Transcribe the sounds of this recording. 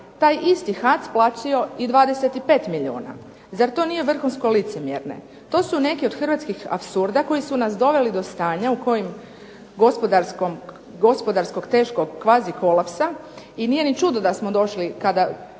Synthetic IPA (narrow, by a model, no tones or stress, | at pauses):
t̪aːjʔist̪ixat̪splˠaːt͡ʃio̞id̪ʋaːd̪e̞set̪ipe̞ːt̪miʎiṵːna̰ | zaɾt̪o̞nijeʋr̩xunsko̞lit̪se̞mjḛɾne̞̰ | t̪o̞ːsune̞kio̞d̪xr̩ʋat̪skixa̰psuɾd̪ako̞jisunasd̪o̞ʋe̞lid̪o̞st̪aːɲauko̞jim | ɡo̞spod̪aɾskom | ɡospo̞d̪aɾsko̞ɡt̪e̞ːʃkoɡkːʋaːziko̞lˠapsa | inije̞nit͡ʃud̪od̪asmo̞d̪o̞ʃlikad̪a